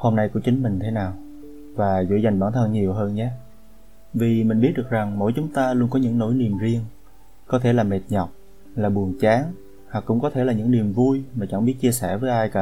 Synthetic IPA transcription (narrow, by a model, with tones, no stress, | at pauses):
ho˧mna˧jku˧˩ət͡ɕï˨˦ŋ̟mï˨˩ŋ̟t̪ʰe˨˦naː˨˩w | vaː˨˩zṵ˧˩za˨˩ŋɓaː˧˩nt̪ʰə˧nɲi˨˩əwɦəː˧nɲaː˨˦ | vi˨˩mï˨˩ŋ̟ɓi˦˥t̚ɗɨ˨˩k̚za˨˩ŋmo̰˧˥jt͡ɕʊ˨˦ŋ͡mt̪aː˧lu˧ənkɔ˨˦ɲɨ̰˧˥ŋno˧˥˦jni˨˩əmzi˧əŋ | kɔ˨˦t̪ʰe˧˩laː˨˩me˨˩t̚ɲɔ˨˩wk͡p̚ | laː˨˩ɓu˨˩ənt͡ɕaː˨˦ŋ | ha˨˩kːʊ̰˧˥ŋ͡mkɔ˨˦t̪ʰe˧˩laː˨˩ɲɨ̰˧˥ŋni˨˩əmvu˧jmaː˨˩t͡ɕa˧˩ŋɓi˦˥ət̚t͡ɕi˧əsɛ˧˩vəː˨˦jʔaː˧jka̰ː˧˥